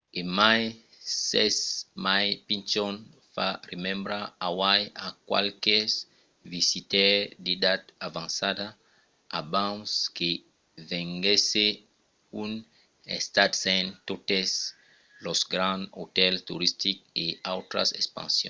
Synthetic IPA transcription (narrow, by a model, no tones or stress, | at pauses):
emaj | sɛsmajpĩnt͡ʃon | faremẽmbɾaawajakwa̰lkes | visit̪ɛɾd̪id̪at̪avãnsad̪a | abãwske | vẽŋɡese | un | ḛst̪at̪sẽnt̪ot̪es | losɡɾãnot̪ɛlt̪uɾist̪ik̚eawt̪ɾa̰sespã̰nsjõ̰